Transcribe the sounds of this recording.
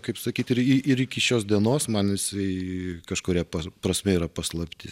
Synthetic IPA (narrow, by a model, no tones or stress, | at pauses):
kɐɪpsɐkʲiːt̪ɪɾɪɪɾɪkʲɪʃʲoːsd̪ʲiɛnoːsmɐnɪsɐɪkɐʃkoːɾʲiːɛpɐpɾɐsʲmʲɛiːɾɐpɐslˠɐpʲt̪ʲɪ